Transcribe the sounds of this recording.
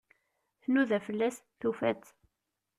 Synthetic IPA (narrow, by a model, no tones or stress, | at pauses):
θnuðæfəlːæsθufæ̰t͡sː